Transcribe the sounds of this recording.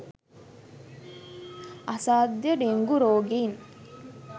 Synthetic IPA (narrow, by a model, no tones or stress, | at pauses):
asaːd̪jəɖeŋɡuɾoːɡin